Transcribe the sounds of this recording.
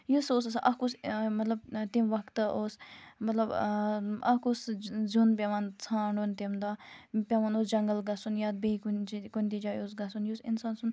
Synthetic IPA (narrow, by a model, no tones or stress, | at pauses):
jusoːs̬ɐsʔɐkusmɐt̪lɐb̚t̪imʋɐkt̪ɨoːsmɐt̪lɐb | ɐ̰kuszunpʲeʋant͡sʰãːɳɖont̪imd̪aːpʲɐʋanoːsd͡ʒɐŋɡəlɡɐsunjaːd̪̚beikunkunʲt̪id͡ʒaːjoːsɡɐsunjusinsaːnsun